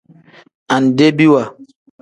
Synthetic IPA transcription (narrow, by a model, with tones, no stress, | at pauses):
a˨n˨de˦bi˦wa˨